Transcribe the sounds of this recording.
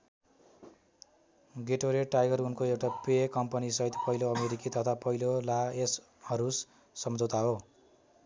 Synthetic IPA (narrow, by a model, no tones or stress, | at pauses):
ɡeʈoɾeʈajɡʌrunkoewʈapekʌmpʌnisʌɦit̪pʌjloʌmeɾikit̪ʌt̪ʰapʌɦilolaes | hʌɾusː | ʌmd͡zot̪aɦo